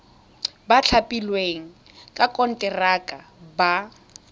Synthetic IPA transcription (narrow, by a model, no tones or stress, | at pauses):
bat͡ɬʰapʼilweŋ̩ | kʼakʼɔn̩tʼɛrakʼaba